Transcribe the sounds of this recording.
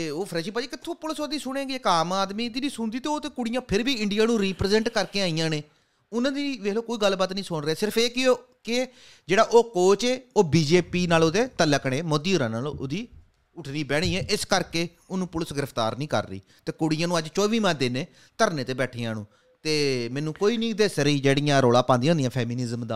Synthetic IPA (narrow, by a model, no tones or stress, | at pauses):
eːoːpʰɾɛːʃiːpaːd͡ʒiːkɪt̪ʰːõːpʊləsoːd̪iːsʊɽ̃ẽːɡeːkaːmaːd̪miːd̪iːd̪iːsʊnd̪iːt̪eːoːt̪eːkʊɽɪjãːpʰɪɾbiːɪɳɖɪjaːnũːɾiːpɾzɛ̃ɳʈkəɾkeːaːijãːneː | ʊnãːd̪iːʋeːloːkoːiːɡəlbaːt̪nĩːsʊɳɾɛːsɪɾəpeːkɪo | kɪ | d͡ʒeːɽaːʔoːkoːt͡ʃeːoːbiːd͡ʒeːpiːnaːlod̪eːt̪ələkɽ̃ẽːmoːd̪iːʊːɾãːnaːlʔʊd̪iː | ʊʈʰniːbɛːɽ̃iːɛːʔɪskəɾkeː | ʊnũːpʊləsɡɪɾəpʰt̪a̰ːɾnĩːkə̰ɾːḭː | t̪eːkʊɽɪjãːnũːəd͡ʒt͡ʃɔːʋiːmãːd̪eːneː | t̪əɾneːt̪eːbɛːʈʰeːãːnṵ̃ː | t̪eːmɛ̃ːnːũːkoːiːnĩːd̪eːsɾiːd͡ʒeːɽijãːɾoːlãːpãːnd̪ij̃ãːʊnd̪ijãːpʰɛːmɪnɪzəmd̪a̰ː